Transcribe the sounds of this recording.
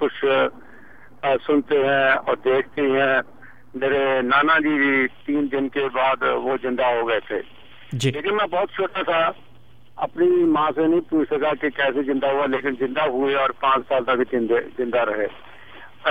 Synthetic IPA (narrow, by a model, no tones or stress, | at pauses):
kʊt͡ʃʰ | sʊnt̪eɦɛ̃ɔːɾd̪eːkʰt̪eɦɛ̃ː | meːɾenaːnãd͡ʒiːdit̪iːnd̪ɪnkebaːd̪ʋoːzɪ̃nd̪aɦoɡəet̪ʰḛː | d͡ʒileːkɪnmɛ̃ːbɔːt̪t͡ʃʰoːʈat̪ʰa | ɐ̰pnimãːsẽnɐɦĩpuːt͡ʃʰsɐkakekɛːsezɪ̃nd̪aɦʊaleːkɪnzɪ̃nd̪aɦʊeɔːɾpãːt͡ʃsaːlt̪ɐkɪnd̪ezɪ̃nd̪aɾɐɦeː